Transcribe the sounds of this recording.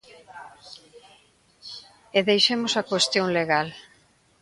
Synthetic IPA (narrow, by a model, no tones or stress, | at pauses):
eðejʃemʊsɐkwest̪joŋleɣal